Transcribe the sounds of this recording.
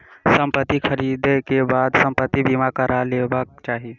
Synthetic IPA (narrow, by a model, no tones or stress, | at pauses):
səmpət̪ːikʰəɾid̪ekebad̪səmpət̪ːibimakəɾalebək̚t͡ʃaːɦi